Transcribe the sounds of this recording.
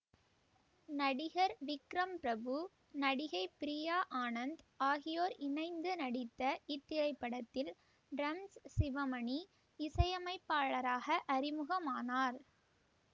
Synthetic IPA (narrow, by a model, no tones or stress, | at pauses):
nɐɽɪɣɐɾʋɪkɾɐmpɪɾɐbɯ | nɐɽɪɣɐɪpːɪɾijaːʔaːnɐnd̪aːɣɪjoːɾɪnɐɪnd̪ɯnɐɽɪt̪ːɐɪt̪ːɪɾɐɪpːɐɽɐt̪ːɪl | ɖɾɐmssɪʋɐmɐɳi | ɪsɐjɐmɐɪpːaːɭɐɾaːɣɐʔɐɾɪmɯɣɐmaːnaːɾ